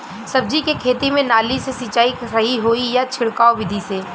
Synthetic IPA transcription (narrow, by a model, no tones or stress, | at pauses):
sɐb̚d͡ʒikekʰeːt̪imẽnaːlisesit͡ʃaːiɾɐɦiɦoijat͡ʃʰɪɽkaːoʋɪd̪ʱiseː